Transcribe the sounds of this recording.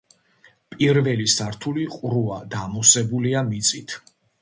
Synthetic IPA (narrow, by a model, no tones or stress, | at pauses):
pʼiɾvɛlisaɾt̪ʰuliqʼɾuad̪amusɛbuliamit̪sʼit̪ʰ